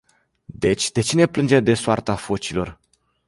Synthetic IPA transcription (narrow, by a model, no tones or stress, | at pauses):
d̪e̞t͡ʃʲd̪e̞t͡ʃine̞plɨnd͡ʒed̪e̞soart̪afo̞t͡ʃilo̞r